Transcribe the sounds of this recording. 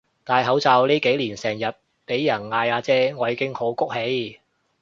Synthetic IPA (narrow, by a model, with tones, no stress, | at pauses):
t̪aː˨˧jɦɐ˨˥wt͡saː˧wliː˥ke˨˥jliː˨˩nsɛː˨˩ŋjɐ˨˩t̚ | pe˨˥jːɐ˨˩nŋaː˧jaː˨˧t͡sɛː˥ŋɔː˨˧jiː˨˧kɪ˥ŋho˨˥wkʊ˥k̚he˨˧j